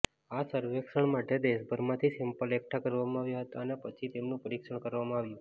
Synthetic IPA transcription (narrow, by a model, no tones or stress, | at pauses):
asəɾʋekʃəɳmaʈed̪eʃbʱəɾmãt̪ʰisempəlek̚ʈʰakəɾʋamãaʋjaɦət̪aənapət͡ʃʰit̪emnũpəɾikʃəɳkəɾʋamãaʋjũ